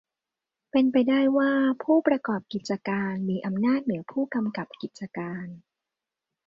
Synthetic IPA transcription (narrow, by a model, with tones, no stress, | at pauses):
pe˧npa˧jdaː˥˩jwaː˥˩pʰuː˥˩pɾa˧kɔː˨˩p̚ki˨˩t̪̚t͡ɕa˧kaː˧nmiː˧ʔa˧mnaː˥˩t̪̚nɯ˩˦ɐpʰuː˥˩ka˧mka˨˩p̚ki˨˩t̪̚t͡ɕa˧kaː˧n